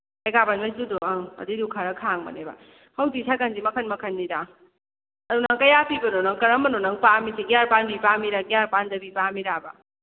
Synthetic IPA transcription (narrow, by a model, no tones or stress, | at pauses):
ajɡabanmazudoaɐ̰didukʰaɾɐkʰaŋmɐ̰neba̰ | hɐwdisʰaɡanzimɐkʰɐnmɐkʰɐnːida | ɐdunɐŋkɐjapʰibɐnonɐŋkɐɾɐmbɐnonɐŋpamisiɡjaɾpanbipamiɾaɡjaɾpandɐbipamiɾaba̰